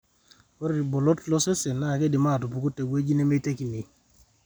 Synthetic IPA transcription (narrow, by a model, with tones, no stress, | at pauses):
o˦ɾbɔ˨lɔ˦tlɔ˦se˦se˨na˦˨ke˦di˨ma˦˨tu˨pu˨ko˦te˨we˦d͡ʒi˦ne˦me˦te˦ki˨ni˨